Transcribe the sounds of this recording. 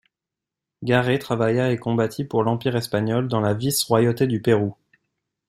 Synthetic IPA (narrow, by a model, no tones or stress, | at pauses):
ɡaʁet̪χavajaekɔ̃bat̪ʰipuʁlɑ̃piʁɛspaɲɔld̪ɑ̃lavisʁwajot̪ed̪ypeʁu